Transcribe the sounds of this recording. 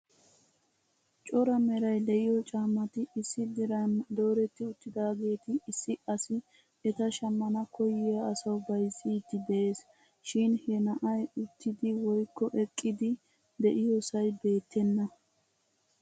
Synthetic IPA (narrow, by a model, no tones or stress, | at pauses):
t͡ʃʼɔɾɐmɛɾɐjd̪ɛʔɪjɔt͡ʃʼaːmːɐt̪ɪɪsːɪd̪ɪɾɐnd̪o̞ːɾɛt̪ːɪʊt̪ːɪd̪aːɡe̞ːt̪ɪːsːɪɐsɪ | ɛt̪ɐʃɐmːɐnɐkɔjɪjɐːsɐwbɐjsiːt̪ːɪd̪ɛʔeːs | ʃɪnhɛnɐʔɐjʊt̪ːɪd̪ɪwɔjkːɔʔɛkʼːɪd̪ɪ | d̪ɛʔɪjosɐjbe̞ːt̪ːɛnːɐ